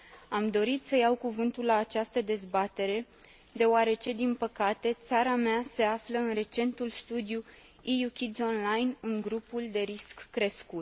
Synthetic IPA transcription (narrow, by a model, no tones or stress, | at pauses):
amd̪o̞ɾit̪səjawkuvɨnt̪ullaːt͡ʃast̪əd̪e̞zbat̪e̞ɾe̞ | d̪e̞oaɾe̞t͡ʃe̞d̪inpəkat̪e̞t̪saɾamease̞afləɨnre̞t͡ʃe̞nt̪ulst̪ud̪ju | ijukʲid̪zʲo̞nlajnɨŋɡɾupuld̪e̞ɾiskːɾe̞skut̪̚